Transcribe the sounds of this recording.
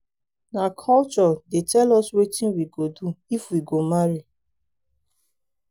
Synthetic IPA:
nakʰɔlt͡ʃɔdetʰɛlɔswetĩnwiɡoduifwiɡomaɹi

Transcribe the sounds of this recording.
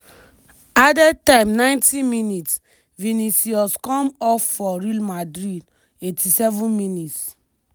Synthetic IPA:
adɛtãɪ̃mnãɪ̃ntĩminits | vinisiɔskɔ̃mɔfːɔɹilmadɾid | etʰisɛvũnminits

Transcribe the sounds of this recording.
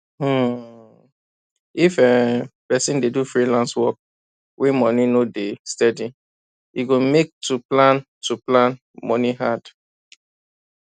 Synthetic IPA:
ifɛpɛsĩndedufɹilãnswɔk̚ | wʔemɔninodestɛdi | iɡomek̚tuplãn | tuplãn | mɔniɦad̥

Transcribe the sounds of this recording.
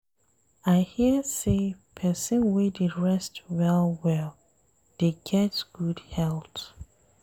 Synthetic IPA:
aɪhisepʰɛsə̃nwididɹɛstwɛlˠwɛlˠ | d̥eɡ̥ɛtɡ̥udhɛlˠt

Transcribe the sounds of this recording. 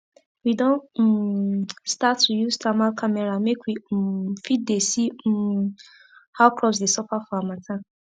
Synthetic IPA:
widɔ̃n̩ | statːujustʰamalkʰamɛɹamekwifit̚desi | haʊkʰɹɔpsdesɔpafɔamãtʰã

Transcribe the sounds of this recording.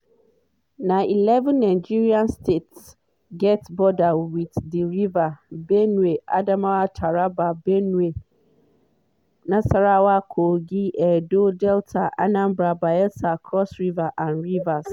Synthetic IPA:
nãilɛṽnːãd͡ʒiɾiãnstʰets | ɡɛtbɔdawitdiɾivabɛnũeʔa̰dãmãatʰaɾababɛnũe | nãsaɾawakʰoɡiʔɛdodɛltʰaʔa̰nãmbɾabaɛsakʰɔsɾivaʔãnɹivas

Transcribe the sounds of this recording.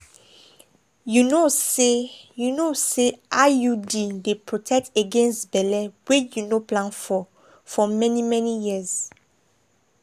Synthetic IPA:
junosejunoseajudidepʰɹotʰɛk̚teɡɛ̃nstbɛlɛwejunoplãnfɔ | fɔmɛnimɛ̃nijiz̥

